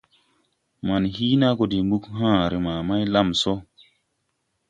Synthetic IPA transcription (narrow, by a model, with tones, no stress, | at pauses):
ma˨nhi˦na˦ko˨di˨mɡu˦kɦãː˦˨ɾe˨maː˨ma˦jla˦˨mso˦